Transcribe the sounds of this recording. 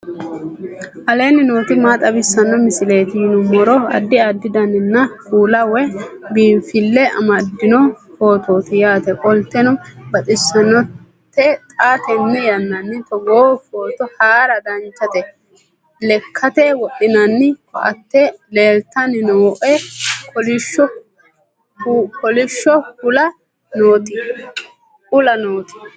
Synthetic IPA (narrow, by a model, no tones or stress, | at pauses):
ʔɐle̞ːnɪnoːt̪ɪmaːt̪ʼɐbɪsːɐnːɔmɪsɪle̞ːt̪ɪjɪnʊmɔɾɔɐ̰d̪ːɪad̪ːɪd̪ɐnːɪnːɐfuːlɐwɛbiːɱfɪlːɛɐ̰mɐd̪ːɪnɔfo̞ːt̪oːt̪ɪjaːt̪ɛkʼɔlt̪ːɛnɔbɐt̪ʼɪsːɐnːɔ | t̪ːɛt̪ʼaːt̪ɛnːɛjɐnːɐnːɪt̪ɔɡoːfoːt̪ɔhaːɾɐd̪ɐnt͡ʃːɐt̪ɛ | lɛkʰːɐt̪ɛwɔɗɪnɐnːɪkɔʔɐ̰t̪ːɛleːlt̪ːɐnɪnoːʔɛkɔlɪʃɔ | kɔlɪʃːɔhʊlɐ | noːt̪ɪ | ʊlɐnoːt̪ɪ̥